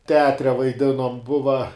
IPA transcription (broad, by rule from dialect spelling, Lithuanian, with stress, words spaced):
tʲɛˈɑːtʲrʲɛ ʋɐɪˈdʲɪnoːm ˈbʊʋɐ